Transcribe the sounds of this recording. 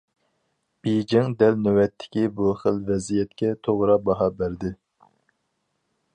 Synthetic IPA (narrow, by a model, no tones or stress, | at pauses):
b̥ejd͡ʒɪŋd̪ɛlnøwɛt̪ʰːɪ̥kʲibuχəlvɛzijɛt̪kʲɛt̪ʰoʁɾɑbɑɦɑbæɾd̪ɪ